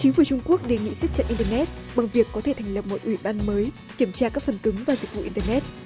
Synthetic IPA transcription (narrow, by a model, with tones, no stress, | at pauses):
t͡ɕï˨˦ŋ̟fu˧˩t͡ɕʊ˧ŋ͡mku˦˥ək̚ɗe˨˩ŋḭ˧˨sa˦˥t̚t͡ɕə̰˧˨ʔi˧nt̪əː˧nɛ˦˥t̚ɓa˨˩ŋvi˨˩əkːɔ˨˦t̪ʰe˧˩t̪ʰɛ˨˩jŋ̟lə˨˩p̚mo˨˩t̚ʔwi˧˩ɓaː˧nməː˨˦j | ki˧˩əmt͡ɕaː˧kaː˦˥k̚fə˨˩nkɨ˨˦ŋvaː˨˩zï˨˩k̟̚vṵ˧˨ʔi˧nt̪əː˧nɛ˦˥t̚